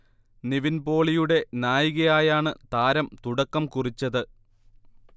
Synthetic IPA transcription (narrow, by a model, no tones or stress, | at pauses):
niʋinbo̞ːɭijuɽe̞naːjiɣɐjaːjaːɳɨt̪aːɾɐmt̪uɽɐkːɐmkurit͡ɕːɐðɨ